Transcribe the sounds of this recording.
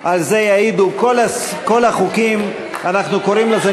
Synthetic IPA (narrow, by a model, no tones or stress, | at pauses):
ʔalze̞jaid̪ukolas | ko̞laχukim | anaχnuko̞ʁimleze